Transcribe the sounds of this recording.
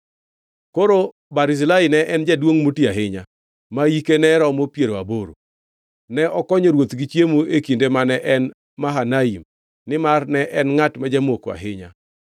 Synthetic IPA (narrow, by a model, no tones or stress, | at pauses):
koɾo | baɾɪzlainɛʔɛnd͡ʒɛdwoŋmotiaɦɪɲa | majikenɛɾɔmopjeɾoaboɾo̰ | nɛʔɔkɔɲɔɾwot̪ɡɪt͡ʃjemoekindemanɛʔɛn | maɦanaim | nɪmarnɛʔɛnŋatmad͡ʒɛmoka̰ɦɪɲa̰